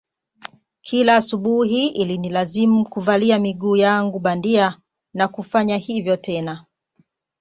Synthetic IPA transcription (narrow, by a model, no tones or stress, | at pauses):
kʰilaːsuɓuɦiilinilazimukuvaliamiɠuːjaŋɡuɓandia | nakufaɲahivjɔtɛna